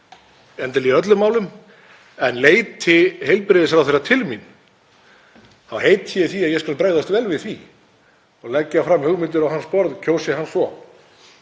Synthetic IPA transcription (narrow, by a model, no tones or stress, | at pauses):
ɛnt̪aliœt̪̬lʏmaːwlʏm | ɛnleːjt̪ʰːɪhejlpɾɪðɪs̬ɾawθejɾrat̪ʰɪlmin | θawhejt̪jɛθiaðjɛskalpɾeːɣðast̪vɛːlvɪðθvi | ɔɣlɛcːafɾamhʏɣmɪnt̪̬ɪɾawɦanspɔɾðcʰowsɪhansɔ